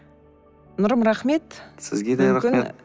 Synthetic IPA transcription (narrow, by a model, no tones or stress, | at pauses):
nʊɾəmɾaχme̞t̪sɪ̰zɡʲed̪eɾakʲɪne